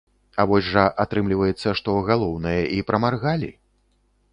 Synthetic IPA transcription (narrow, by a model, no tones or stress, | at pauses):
avɔsʲʐɐʔat̪ɾɨmlʲivɐjɛt̪sːɐʂt̪ɔɣalˠɔwnɨjɐʔipɾɐmarɣalʲḭ